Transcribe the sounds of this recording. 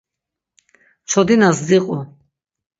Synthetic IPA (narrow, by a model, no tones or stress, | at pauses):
t͡ʃʰɔd̪inasd͡ziqʼu